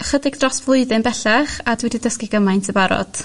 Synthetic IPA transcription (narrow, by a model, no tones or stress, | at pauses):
χədɪɡ̚drɔsvlˠʊɨðɪnbɛɬaχadwɛdidəskɪɡəmajntʰəbaɾɔ̰d̥